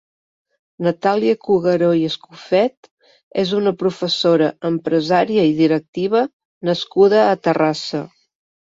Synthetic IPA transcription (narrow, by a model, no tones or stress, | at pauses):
nət̪aliəkuɣəɾojəskufɛt̪ | ezunəpɾufəsoɾəəmpɾəzaɾiəiðiɾək̚t̪iβ̞ə | nəskuðəːt̪ərasə